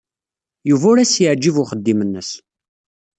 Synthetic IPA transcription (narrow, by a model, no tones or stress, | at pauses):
juvʊɾæsjəʕd͡ʒivʊχəd̪ːimənːəs